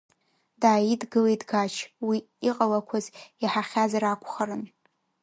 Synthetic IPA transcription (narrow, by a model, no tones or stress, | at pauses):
daːjidɡɨlejdɡat͡ʃʰwiː | qʼalakʷʰaziħaχʲazaɾakʷʰʼχaɾɨn